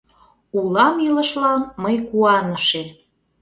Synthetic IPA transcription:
ulɑmjylə̆ʃlɑnməjkuɑnəʃe

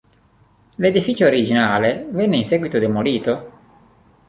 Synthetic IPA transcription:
led̪ifit͡ʃoːɾid͡ʒinaːlevɛnːeinseːɡwit̪od̪emoliːt̪o

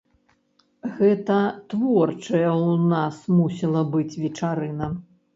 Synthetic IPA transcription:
ɣɛt̪ɐt̪vɔrt͡ʂɐjɐwnasmusʲilˠɐbɨt͡sʲvʲɛt͡ʂaɾɨnɐ

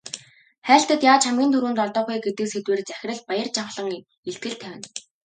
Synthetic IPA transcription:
χæːɬt̪ə̆t̪jaːt͡ɕʰamɡʲiːnt̪ʰɵɾuːnt̪ɔɮt̪ɔːχeːɡet̪ɘ̆kset̪weːrt͡sæxʲɪ̆rə̆ɮ̚pajə̆rt͡ɕaɴχɮɞ̆ŋ | eɬt̪ɡɘ̆ɮt̪ʰæwʲɪ̆n

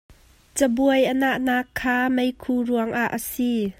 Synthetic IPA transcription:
t͡səbuəjʔənaʔnaːkʰːaːmejkʰuɾuəŋʔaʔːəsi

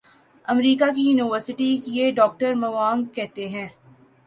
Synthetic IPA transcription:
ɐmɾiːkakijuːnɪʋəɾsɪʈikjeɖɔːk̚ʈəɾmɐʋaːŋkɛɦt̪eɦɛ̃ː

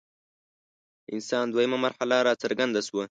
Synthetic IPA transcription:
ɪ̰nsɑːnd̪wajimamaɾħalaɾɑːt͡saɾɡand̪aswə

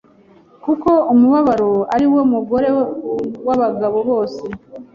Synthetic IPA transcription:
kuko̞umuβaβaɾoaɾiwo̞muɡo̞ɾe̞waβaɡaβo̞βo̞ːse̞

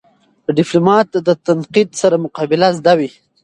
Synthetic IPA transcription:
d̪əɖɪplamɑt̪d̪ət̪anqid̪saɾamʊqɑbɪlazd̪awi

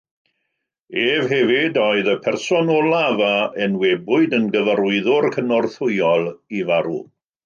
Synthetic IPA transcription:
eːvɦɛvɪdɔɨðəpʰɛrsɔnɔlˠavaənwɛbʊɨdənɡəvəɾʊɨðʊrkʰənɔrθʊjɔlˠivaɾṵ

